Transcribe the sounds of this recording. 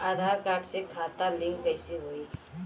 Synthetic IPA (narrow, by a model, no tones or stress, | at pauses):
aːd̪ʱaːɾkaːɾʈsekʰaːt̪alɪ̃ŋɡkɐjseɦoːiː